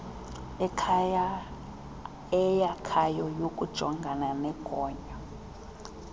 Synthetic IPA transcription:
ɛkʰaja | ɛjakʰajɔjokʼud̥ʒ̥ʱɔŋɡʱananɛkʼɔːɲa

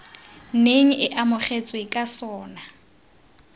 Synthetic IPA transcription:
n̩neŋ̩ɪʔamʊχet͡sʼwekʼasɔːna

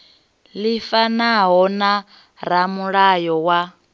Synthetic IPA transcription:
lifanaɦɔna | ɾamuɺajɔwa

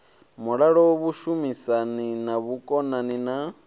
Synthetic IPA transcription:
muɺaɺɔwɔβuʃumisaninaβukʼɔnanina

